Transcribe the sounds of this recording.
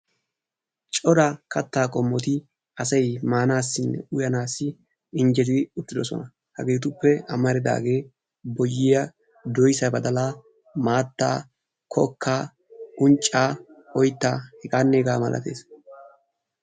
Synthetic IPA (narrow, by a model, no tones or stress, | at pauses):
t͡ʃʼɔɾɐkʰɐt̪ːaːkʼɔmːɔt̪ɪ | ɐsɐjmaːnaːsːɪnːɛ̰ʊjɐnaːsːɪ | ɪnd͡ʒɛt̪ɪʊt̪ːɪd̪ɔsɔ̰nɐ | hɐɡe̞ːt̪ʊpːɛɐmɐɾɪd̪a̰ːɡe̞ː | bɔjːɪjɐ | d̪ɔjsɐbɐd̪ɐlaː | maːt̪ːa̰ː | kʰɔkʰːaː | ʊnt͡ʃʼːaːɔjt̪ːaːhɛkʼaːnːeːɡaːmɐlʔɐ̰t̪e̞̰ːs